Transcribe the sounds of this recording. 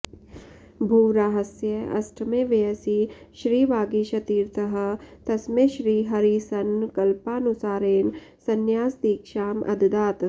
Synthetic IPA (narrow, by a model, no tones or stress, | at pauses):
bʱuːɾaːɦɐsjɐɐ̰sʈʰmẽːʋeɐsiʃɾiːʋaːɡiʃɐt̪iːɾt̪ʰɐɦɐ̆t̪ɐsmẽʃɾiːɦɐɾisɐnkɐlpaːnʊsaːɾeːnsɐnjaːsd̪iːkʃaːmʔɐ̰d̪d̪aːt̪